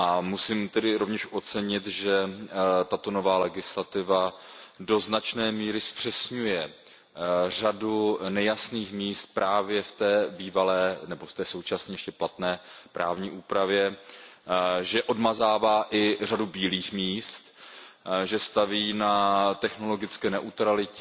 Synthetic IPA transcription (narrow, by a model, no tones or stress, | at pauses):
ʔamusɪmt̪ɛdɪɾovɲɛʃʔo̞t͡sɛɲɪt̪ʒɛt̪at̪o̞no̞vaːlɛɡɪslat̪ɪvado̞znat͡ʃnɛːmiːɾɪspr̝̥ɛsɲujɛ | radunɛjasniːxmiːst̪̚pɾaːvjɛft̪ɛːbiːvalɛːnɛbo̞ft̪ɛːso̞wt͡ʃasɲɛːjɛʃcɛplat̪nɛːpɾa̰ːvɲiːʔuːpɾavjɛ | ʒɛʔo̞dmazaːvaːʔɪr̝adubiːliːxmiːst̪ | ʒɛst̪aviːnat̪ɛxno̞lo̞ɡɪt͡skɛːnɛʔut̪ɾalɪcɛ